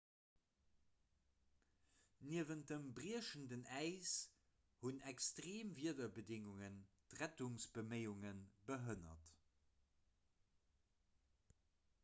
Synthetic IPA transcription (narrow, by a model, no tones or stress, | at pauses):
niəvənt̚əmbʁiəʃəndənæɪs | hunɛkstʁeːmviədɐbədɪŋuŋən | tʁætuŋsb̥əməɪuŋənbəɦənɐ̰t